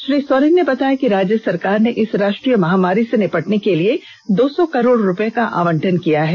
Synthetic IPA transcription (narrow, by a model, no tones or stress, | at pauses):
ʃɾiːsoːɾənnebɐt̪aːjakiɾaːd͡ʒjəsɐɾkaːɾneʔɪsɾaːʃʈɾijəmɐɦaːmaːɾisenɪpɐʈnekelie | d̪oːsɔkɐɾoːɽɾʊpekaʔa̰ːʋə̃ɳʈʰənkijaɦɛː